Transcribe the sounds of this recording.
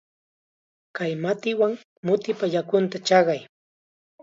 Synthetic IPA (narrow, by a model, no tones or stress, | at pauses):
kajmat̪ɪwaŋ | mʊt̪ɪpaʎakʊnt̪at͡ʃɑɢɑj